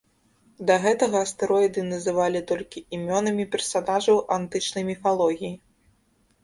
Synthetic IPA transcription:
d̪ɐɣɛt̪ɐɣɐːst̪ɨɾɔjd̪ɨnɐzɨvalʲit̪ɔlʲkʲiimʲɔnɐmʲipʲɛrsanaʐɐwʔant̪ɨt͡ʂnɐjmʲifalˠɔɣʲiji

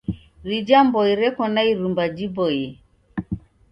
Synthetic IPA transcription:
ɾid͡ʒambɔiɾɛkɔnaiɾumbad͡ʒibɔjɛ

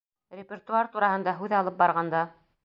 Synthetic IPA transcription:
rʲɪpʲert̪uart̪uɾɑhɤ̆nd̪ɑɦʉðɑlˠɤp̚bɑɾʁɑnd̪ɑ

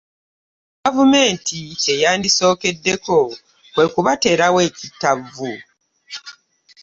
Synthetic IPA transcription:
ɡavume̞ːntʰie̞jaːndiso̞ːke̞dːe̞ko̞ | kwe̞kuβate̞ːɾawe̞ːcitːavu

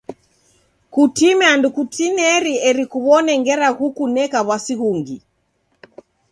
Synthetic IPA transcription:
kutimɛandukutinɛɾiɛɾikuβɔnɛŋɡɛɾaɣukunɛkaβwasiɣuŋɡi

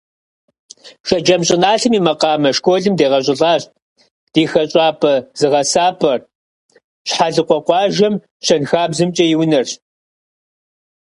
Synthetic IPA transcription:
ʃɐd͡ʒɐmɕʼɪnaːɬɨmiːmɐqɑːmɐʂkʷʰʼoːɮɨmdeːʁɐɕ̬ʼɪɮɑːɕ | d̥eːxɐɕʼɑːpʰɐz̥ɨʁɐsaːpʰʼɐr | ɕħaɮɨqʷɔqʷɑːʒɐm | ʃʰɐnxaːbzɨmt͡ʃʼɐjɪwnɐr

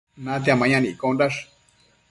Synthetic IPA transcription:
nãt̪̬iamãɲãnĩikonɾaʂ

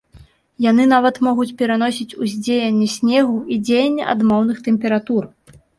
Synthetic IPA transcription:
janɨnavɐt̪mɔɣut͡sʲpʲɛɾanɔsʲit͡sʲuzʲd͡zʲejɐnʲːɛsʲnʲɛɣuid͡zʲejɐnʲːɐ̰ʔa̰d̪mɔwnɨxt̪ɛmʲpʲɛɾat̪ur

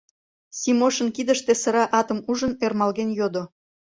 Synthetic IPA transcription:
sʲimoʃənkid̪əʃt̪esəɾɑʔɑt̪əmuʒənermɑlɣenjod̪o

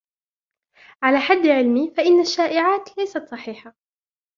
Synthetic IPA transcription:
ʕalaːħad̪ːʕɪlmiːfaʔɪnːaʃːaːʔɪʕaːt̪lajsat̪sˤɑħiːħa

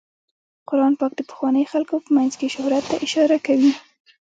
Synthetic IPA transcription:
qʊɾɑnpɑk̚d̪əpə̥xwɑnəjxalkopəmajnzkeʃʊhɾat̪ːaʔɪʃɑɾakawi

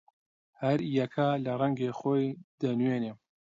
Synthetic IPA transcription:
hɐɾjɐkʰalɐrɛŋɡexoːjd̪ɐnweːne

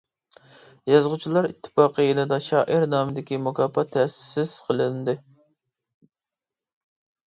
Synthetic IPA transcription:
jɑzʁʊt͡ʃʰilˠɑɾḭt̪ʰːɪ̥pɑːqʰəjenɨd̪ɑʃɑːʔɪɾnɑːmɪd̪ɪkʲimukʰɑːpɑt̪ʰːɛsɪ̥sɪz̥qʰəlˠɪnd̪ɨ

